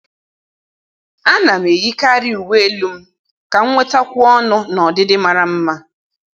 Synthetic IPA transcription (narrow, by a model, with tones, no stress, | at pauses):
a˦na˨m̩˨e˨ji˦ka˦ɾi˦u˨we˦e˦lu˦m̩˦ | ka˨ŋ̩˦ŋʷe˦tɔ˦kʷʊ˦ɔ˦nʊ˦nɔ˨dɪ˦dɪ˦ma˨ɾa˨m̩˦ma˦